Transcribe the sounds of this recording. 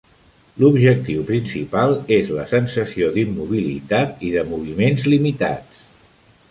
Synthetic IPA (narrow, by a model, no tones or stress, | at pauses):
lubʒək̚t̪iwpɾinsipalˠezlə̰sənsəsioðimːuβ̞ilḭt̪at̪iðəmuβ̞imenzlimit̪a̰t͡s